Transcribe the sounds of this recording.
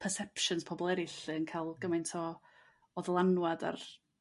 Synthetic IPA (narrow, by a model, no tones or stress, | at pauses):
pʰərsɛpʃənspʰɔbɔlˠɛɾɪɬɨənkʰajlˠɡəmajntʰɔ | ɔðlˠanwada̰r